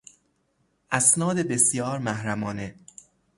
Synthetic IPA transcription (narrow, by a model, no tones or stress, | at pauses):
ʔæsnɒːd̪ebesjɒːɾmæhɾæmɒːne